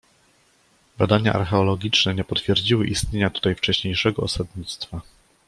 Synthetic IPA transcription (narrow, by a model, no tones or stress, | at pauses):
bad̪aɲa̰ʔa̰ɾxɛɔlɔɡʲit͡ʂnɛɲɛpɔt̪fʲjɛɾd͡ʑiwɘʔist̪ɲeɲat̪u̥t̪ajft͡ʂɛɕɲejʂɛɡɔɔsad̪ɲit̪st̪fa